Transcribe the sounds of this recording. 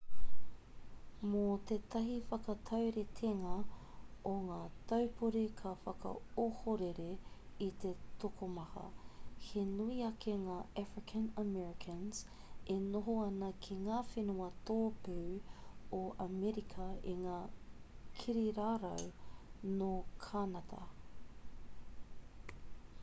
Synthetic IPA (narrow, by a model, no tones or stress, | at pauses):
mot̪et̪ɐɦifɐkɐt̪ʰɐwɾet̪ʰeŋɐ | oŋaːt̪ɐwpuɾekʰɐfɐkɐ̰ohoɾeɾeit̪et̪okomɐhɐ̰henuiɐkʰeŋaːæfɹɪkʰɐnəmɛɹɪkʰɐnz̥ | enoɦoɐnɐkʰiŋaːfenuɐt̪oːpʉːoʔɐmɛɾikʰɐiŋaː | kʰiɾiɾaːɾɐ̰wnokʰanɐtʰɐ̰